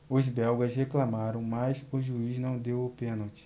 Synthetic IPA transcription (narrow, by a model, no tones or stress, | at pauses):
ʊzbɛwɡɐzheklamaɾɐ̃w̃majzʊʒuiznɐ̃w̃d̪ewʊpẽnowt͡ʃɪ̥